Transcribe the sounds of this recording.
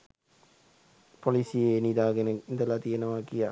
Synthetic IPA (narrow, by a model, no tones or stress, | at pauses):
polisijenid̪aːɡenəind̪əlat̪ijenəʋaːkija